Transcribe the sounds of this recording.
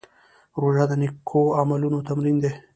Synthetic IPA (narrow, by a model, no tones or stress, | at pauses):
ɾoʒad̪ənikʰːoamalunot̪amɾind̪e